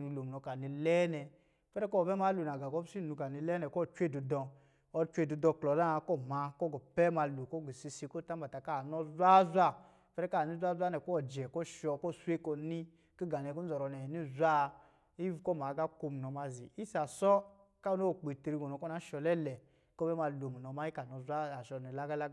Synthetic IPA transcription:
nu˧lo˨m˨nɔ˧ka˨ni˧lɛ˦nɛ˧ | pɛ˦ɾɛ˦kɔ˦˨bɛ˦ma˨˦lu˨na˨ɡa˨ɡɔ˦si˦˨nu˧ka˨ni˧lɛ˦nɛ˧˨kɔ˦˨t͡ʃʷe˦˨du˧dɔ̃˧ | ɔ˧t͡ʃʷe˧˨du˨˧dɔ˧˨klɔ˨da˦˧kɔ˦˨ma˧kɔ˦ɡɔ˨pɛ˦ma˧lu˨kɔ˦˨ɡi˨si˧si˧ko˦˨ta˦m˦ba˨ta˨ka˦˨nɔ˦zʷa˦zʷa˦˨ | pɛ˦ɾɛ˦ka˦˨ni˦zʷa˦za˦nɛ˨kɔ˦˨d͡ʒɛ˨kɔ˦˨ʃɔ˧kɔ˦˨sʷe˦kɔ˧ni˦ | ki˦ɡa˨nɛ˧˨ku˦ɔ˨ɾɔ˧˨nɛ˨ni˦zʷa˦ | i˦vkɔ˦˨ma˨ɡa˦ko˧mu˨nɔ˨˧ma˧zḭ˨i˦sa˨sɔ˦ | ka˦u˦no˦˨k͡pi˨ti˧ɾi˧ɡɔ˨nɔ˨˧kɔ˦na˨˦ʃɔ˧lɛ˦lɛ˨ | kɔ˦bɛ˦ma˧lo˨mu˨nɔ˧ma˦i˦ka˨nɔ˧zʷa˦a˨ʃɔ˧˨nɛ˨la˦ɡa˦la˦ɡ

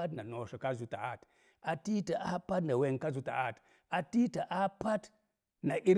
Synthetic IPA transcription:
a˦tna˨no˨ʃo˨ka˦zu˨ta̰˨a˦t | a˨ti˦ta˨ʔa˦pa˦tna˨we˦˨ŋ˨ka˦zu˨ta̰˨ʔa˦t | a˨ti˦ta˨ʔa˦pa˦t | na˨ʔi˦ɾ

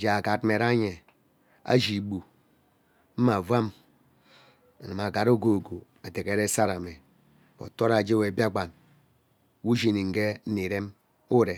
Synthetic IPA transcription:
d͡ʒa˨a˨ɡa˨˦tme˨ɾa˦ɲe˨ | a̰˦d͡ʒi˨˦bu˨ | m̩˦ma˨va˦m | a˨na˨ma˨ɡa˨ɾo˦ɡo˨ɡo˨ | a˨de˨ke˨ɾe˦sa˦ɾa˨me˨ | bo̰˨to˦ɾa˨d͡ʒe˦we˨bja˦ɡ͡ba˨n | wu˦d͡ʒi˦˨ni˨ŋ̩˨ɡe˦ni˨ɾe˦m | u˦ɾe˨

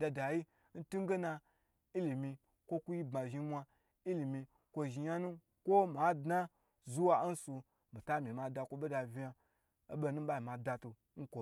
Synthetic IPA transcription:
da˧da˨ji˦ | n̩˦tu˦ɡe˦na˧ | i˦li˨mi˧ | kʷo˦ku˦ji˦ba˨ʒi˧˦mʷa˧ | i˦li˨mi˧ | kʷo˧ʒi˧ja˦nu˦ | kʷo˦ma˨˦dna˦ | zu˦wa˧˦n̩˦su˧ | mi˨ta˦mʲi˨ma˨da˧kʷo˧ɓe˦da˨vʲi˧ja˧ | o˦be˦nu˦ɓa˦i˨ma˨da˧tu˧ | n̩˦kʷo˨

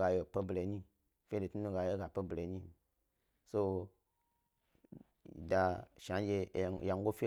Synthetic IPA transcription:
ɡa˨je˨pə˧ble˨˦ɲĩ˦ | fe˨tu˦nũ˧ɡa˨je˦ɡa˨pə˧ble˨˦ɲĩ˦˨ | so˧˨ | da˨ʃã˨˦n˦d͡ʒe˧˨ja˨ŋɡo˦fi˦

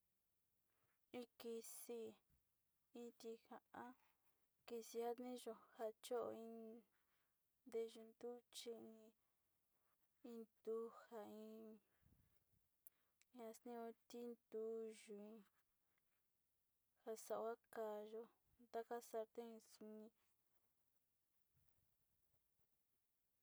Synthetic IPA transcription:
ĩ˧ki˧si˧ | ĩ˧t̪i˧hã˧˨ʔã˦ | ki˧si˧a˦nĩ˦ʒo˧ha˧t͡ʃo˦ʔo̰˧ĩ˧ | d̪e˧ʒu˧nd̪u˦t͡ʃi˧ĩ˧ | ĩ˧nd̪u˧ha˨ĩ˧˦˧ | ã˧snĩ˦õ˧t̪i˦nd̪u˧˦ʒu˨ĩ˧ | ha˧sa˨ʔa˦ka˧˨ʒo˧ | nd̪a˦ka˦sa˧ɾt̪e˦ĩ˧su˧nĩ˧

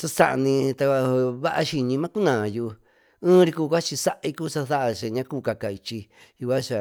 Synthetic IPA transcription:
sa˦sa̰˦ʔnĩ˧t̪a˧a˧βa˦ʔa˧ʃi˧ɲĩ˧mã˦ku˦nã˨juː˧ | ɨ̃ː˦ɾi˧kuː˧kʷa˦t͡ʃi˧sa˦ʔa˧i˦ku˦sa˧θa˦ʔa˧ʃe˧˨ɲã˧˦˧kuː˦˨ka˧ka˨i˧t͡ʃi˧ju˧kʷa˦t͡ʃa˨

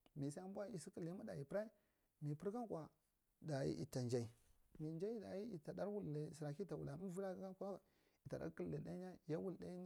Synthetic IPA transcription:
mi˨sa˦a˦mbʷa˦i˨si˦ki˦˨li˦ma˦da˨i˨pɾa˦i˦ | mi˨pi˦ɾka˦n˦kʷa˨ | da˨jḭ˦ʔḭ˨ta˨nd͡ʒa˨i˨mi˨nd͡ʒa˦i˦da̰˨ji˦i˨ta˨da˦ɾwu˦li˨sɾa˨ki˦ta˨wṵ˨la˨mi˦vu˦ɾa˦a˦kʷa˦˨ | i˨ta˨a̰˦ki˦lːi˨da˦ɲa˦ja˦wu˦˨lda˦

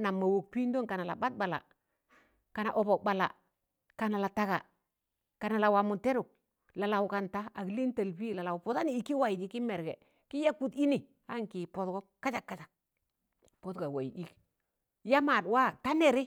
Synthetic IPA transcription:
na˨mːa˨wo˨k̚pi˦ndo˦ŋka˨na˨la̰˨ba˦t̚ba˨la̰˨ | ka˨na˨ʔo˨bɔ˨k̚ba˨la̰˨ | ka˨na˨la˨ta˦ka̰˨ | ka˨na˨la˨wa˨mu˨te˦ɾu˨k̚ | la˨la˨wu˨ka˨nta˦a˨kli˦n˦ta˨lpi˦˨la˨la˨u˨pɔ˨˦ta˦niː˦˨ki˦wa˨ji˨d͡ʒi˦ki˦me˨ɾɡɛ˨ | ki˦ja˦ku˦ti˦ni˨ | a˦ŋki˨pɔ˨tkɔ˦ka˦t͡ʃa˨kːa˦t͡ʃa˨k̚ | po˦tka˨wa˨i˨di˨k | ja˦ma˨dwa˦ta˦ne˨ɾi˦

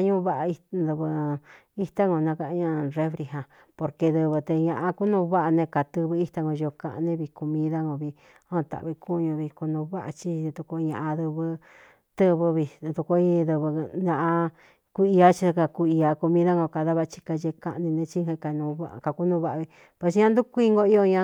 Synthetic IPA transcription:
a˧ɲũ˦βa˦ʔa˧i˧ðɨ˧βɨ˧ | i˦˧t̪a˦ŋɡo˧nã˧ka˧ɲã˧˨re˦fɾi˧ɦã˨ | po˧ɾke˧ðɨ˧βɨ˧t̪e˧ɲã˧ʔa˧ku˦nũ˧βa˦ʔa˧nẽ˧ka˨t̪ɨ˧βɨ˧i˦t̪a˧ŋɡo˧ʒo˧kã˧ʔnẽ˧˦βi˧ko˧mĩ˦ða˦ŋõ˧βi˧ | õ˦˧˨t̪a̰˨βi˧ku˦ɲũ˧βi˧ku˧nũ˧βa˦ʔa̰˧t͡ʃi˧t̪u˧ko˧ɲã̰˧ʔã˧ðɨ˧βɨ˧ | t̪ɨ˦βɨ˧βi˧t̪u˧ko˧˦i˦˧ðɨ˧βɨ˧nã˧ʔa˧ | ku˧˦i˧a˦t͡ʃi˧ka˧ku˧i˧a˧ko˧mĩ˦ða˦ŋɡo˧ka˧ða˦βa˧t͡ʃi̥˧ka˧ʒe˧ka˧nĩ˧nẽ˧t͡ʃi˦hẽ˧ka˧nũ˧βa˧ka˧ku˦nũ˧˦βa˦ʔβi˧ | pwe˧s̬ɲã˧nd̪u˦kʷi˧ŋɡo˧i˦jo˧ɲã˧

